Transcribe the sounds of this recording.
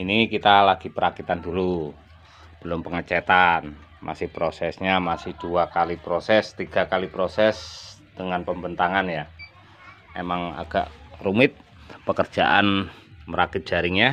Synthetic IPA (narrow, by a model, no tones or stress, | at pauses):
inikit̪alaɡ̥ipəɾakit̪andulu | b̥əlʊmpəŋət͡ʃɛt̪an | mʔa̰sɪhpɾosɛsɲamasɪhd̥uakalipɾosɛst̪iɡ̥a̤kalipɾosɛsd̥əŋanpəmbənt̪aŋanja | emaŋa̰ɡ̥a̰ʔrumɪt̪̚ | pəkər̥d͡ʒ̥aʔa̰nməɾakit̪̚d͡ʒ̥aɾɪŋɲa